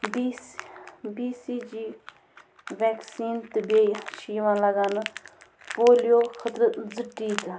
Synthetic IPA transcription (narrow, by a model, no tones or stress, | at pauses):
bi | biːsiːd͡ʒiː | ʋɛːksiːnt̪ɨbeːjʃiːʋãːlɐɡaːnɨ | poːlijoːxʰət̪ɾət̪zɨʈːiːt̪ɨ